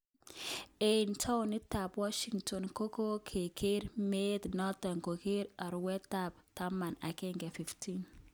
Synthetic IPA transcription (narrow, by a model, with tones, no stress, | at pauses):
entʰa˦wni˦ta˨pwa˦ʃiŋtɔ˨nko˦ko˦kʰe˨kʰe˦ɾmed̪nɔ˦ta˨ŋko˨ke˦ɾa˨ɾwɛ˦tːa˨p̚ta˦ma˨na̰˨kɛ˦ŋɡɛ˨fi˨ftin